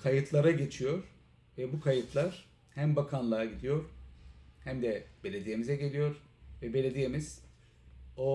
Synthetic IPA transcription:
kʰajɯt̪ʰlˠaɾaɟe̞t͡ʃʰijo̞ɾ̥ | vɛbukʰajɯt̪ʰlˠaɾ̥ | hæmbakʰanlˠaɾaɟid̪ijo̞ɾ | hæmd̪ɛbe̞lʲe̞d̪ije̞mizɛɟe̞lʲijo̞ɾ | vɛbe̞lʲed̪ije̞miz̥ | o

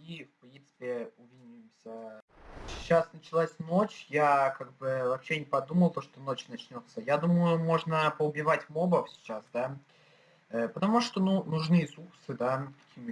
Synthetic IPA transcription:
ifpɾʲint̪sɨ̥pʲɪʊvʲinʲʊjɪmsʲə | sʲɪt͡ɕːasnət͡ɕɪlˠasʲno̞t͡ɕjakaɡ̚bɨvɐpɕːe̞nʲɪpɐd̪uməlˠt̪oʂt̪o̞no̞t͡ɕnɐt͡ɕnʲo̞t̪səjad̪uməjʊmo̞ʐnəpəʊbʲɪvatʲmo̞bəfsʲɪ̥t͡ɕasd̪a | əpət̪ɐmuʂt̪onunʊʐnɨjəsuksɨd̪akɐ̥kʲʰi

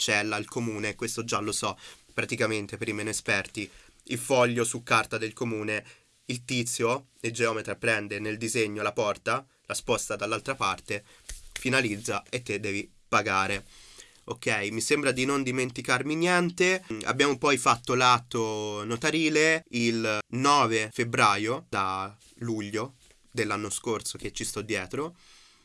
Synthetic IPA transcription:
t͡ʃɛlːailkomuːnekwest̪od͡ʒalosɔpːɾat̪ikament̪epeɾimɛːnoespɛrt̪i | ilfɔʎːosukːart̪ad̪elkomuːne | ilt̪it̪sːjo | ed͡ʒeɔːmet̪ɾapɾɛnd̪eneld̪izeɲːolapɔrt̪a | laspɔst̪ad̪alːalt̪ɾapart̪efinalid̪zːaet̪ːed̪ːɛːvi | paɡaːɾe | okʰːɛjmisembɾad̪inond̪iment̪ikarminjɛnt̪ea̰bjaːmopɔjfat̪ːolat̪ːonot̪aɾiːleilnɔːvefebɾaːjod̪a | luʎːo | d̪elːanːoskorsok̟et͡ʃːist̪ɔd̪ːjɛːt̪ɾo

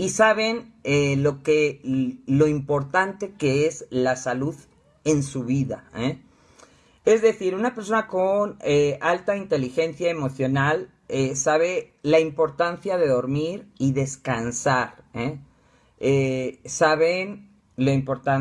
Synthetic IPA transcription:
isaβe̞nelo̞ke | lo̞impo̞ɾt̪ant̪e̞ke̞ezlasaluð | e̞nsuβiðae | e̞zðe̞θiɾunape̞ɾs̬o̞nakonealt̪aint̪e̞lixe̞nθjaemo̞θjo̞nal | esaβ̞e̞laimpo̞ɾt̪anθjaðe̞ðo̞ɾmiɾiðe̞skansaɾe | esaβe̞n | loimpo̞ɾt̪an

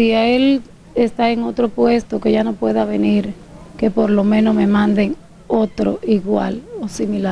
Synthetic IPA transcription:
siael | est̪aeŋo̞t̪ɾo̞pwe̞st̪o̞ke̞ʝano̞pwe̞ðaβe̞niɾ | ke̞po̞ɾlo̞mẽ̞no̞me̞mãnd̪e̞ŋ | o̞t̪ɾoʔiɣwa̰losimila

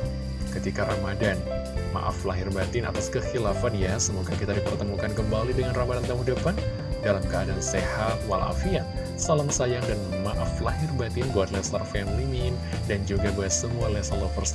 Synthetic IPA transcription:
kət̪ikaɾamadan | ma̰ʔa̰flaɦɪrbat̪ɪnʔa̰t̪askəxilafanjasəmuɡakit̪adipərt̪əmukankəmbalidəŋanramadant̪amudapan | dalamkəadansehat̪wa̰lʔa̰fia | salaŋsajaŋdan | maʔaflaɦɪrbat̪ɪnbuat̪̚lɛst̪arfɛnlimɪn | dand͡ʒuɡabaat̪̚səmualɛsalofərs

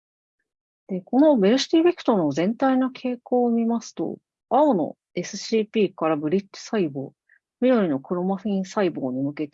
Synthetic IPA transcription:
d̪̥e̞ko̞no̞be̞ɾɯ̟ɕi̥t̪ʲibe̞kɯ̟̥t̪ono̞zẽ̞nt̪ainakʰe̞ːko̞ːmʲimasɨ̥t̪o̞̰ | aono̞̰ | e̞sɨ̥ɕiːpʲiːkaɾabɯ̟ɾʲitːo̥saibo̞̰ː | mʲiɾoɾʲino̞kɯ̟ɾo̞maɸɯĩɰ̃saiboːɲ̟imɯ̟ke̞t̪e

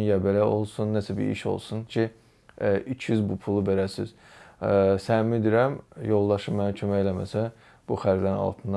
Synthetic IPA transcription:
njɑbelæo̞lˠsunːæsæbḭḭʃo̞̰lˠsuncʰi | ʔyt͡ʃʰjyzbupʰulˠubeɾæsḭz̥ | sænmyd̪iɾæmjo̞lˠd̪ɑʃɯmmæcʰømæelæmæsæ | b̥uxæɾd̪æɾnɑ̰lˠt̪ʰɯnd̪

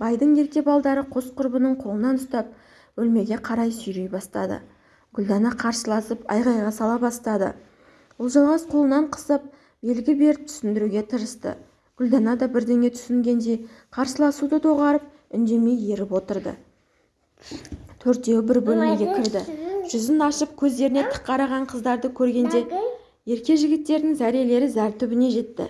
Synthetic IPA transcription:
b̥ɑjd̪əɴjek̚t̪e̞bɑlˠd̪ɑɾəqʰo̞sqʰʊɾbənəɴqʰo̞lˠənɑnʊst̪ɑp̚ | wɵlme̞ɡʲe̞qʰɑɾɑjsʏjɾejbɑst̪ɑd̪ə̰ | ɡ̥ʲʏld̪ɑnɑqʰɑɾsəlˠɑsəpɑ̰jʁɑjʁɑsɑlˠɑbɑst̪ɑd̪ə̰ | wolˠʒɑlˠʁɑsqʰolˠənɑɴqʰə̥səp̚ | be̞lɡʲɪbe̞ɾɪpt̪ʰʏ̥sɪnd̪ɪɾuɡʲe̞t̪ʰəɾəst̪ə̰ | ɡ̥ʲʏld̪ɑnɑd̪ɑbɪɾd̪e̞ŋʲe̞t̪ʰʏ̥sɪŋɡʲe̞nd̪e̞jqʰɑɾsəlˠɑsud̪ət̪ʰo̞ʁɑɾəp̚ | ʏnd̪e̞me̞je̞ɾɪpwo̞t̪əɾd̪ə̰ | t̪ʰɵɾt̪̚ːe̞wbɪɾbolˠoɡʲe̞kʲʰɪɾd̪ɪʒ̥ʏzɪnɑʃəp̚kʲʰɵzd̪e̞ɾɪne̞t̪ʰə̥qːɑɾɑʁɑɴqʰəzd̪ɑɾd̪əkʲʰɵɾɡʲe̞nd̪e̞ | je̞ɾkʲe̞ʒɪɡʲɪt̪ːe̞ɾd̪ɪŋzæɾije̞le̞ɾɪzæɾt̪ʰʏbɪne̞ʒe̞t̪ːɪ̰

